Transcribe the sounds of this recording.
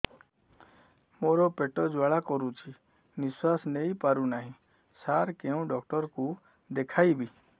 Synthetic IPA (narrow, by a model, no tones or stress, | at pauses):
moɾɔpeʈɔd͡ʒwaɭakɔɾũt͡ʃʰi | nɪswasneipaɾunaɦĩ | saɾkeũɖɔkʈɔɾku | d̪ekʰaibʱi